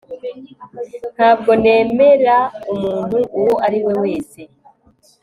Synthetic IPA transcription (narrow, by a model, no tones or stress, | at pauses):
n̥haːb̚ɡo̞ne̞ːme̞ɾaumuːn̥huʔːwoʔaɾiwe̞we̞ːse̞